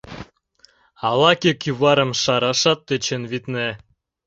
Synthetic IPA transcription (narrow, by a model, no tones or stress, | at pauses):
ɑlɑkʲekyβɑɾə̆mʃɑɾɑʃɑt̪ːet͡ɕenβit̪ne